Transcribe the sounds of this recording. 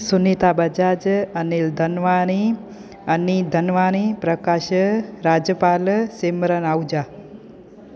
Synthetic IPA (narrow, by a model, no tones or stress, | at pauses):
sunit̪abəd͡ʒad͡ʒəneld̪ʱənʋani | ənid̪ʱənʋanipɾəkaʃəɾad͡ʒjəpalseməɾənawd͡ʒa